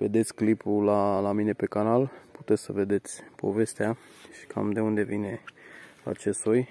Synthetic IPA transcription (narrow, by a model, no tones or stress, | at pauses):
ve̞̰d̪e̞t̪sʲklipulalamine̞pe̞kanalpu̥t̪esəve̞d̪e̞t̪sʲpo̞̰ve̞st̪ea | ʃi̥kʰa̰md̪e̞und̪e̞vine̞a̰t͡ʃe̞st̪oj